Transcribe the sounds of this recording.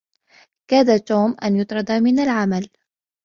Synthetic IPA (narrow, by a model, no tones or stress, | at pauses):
kaːd̪at̪uːmʔanjʊt̪ˤɾˤɑd̪amɪnalʕamal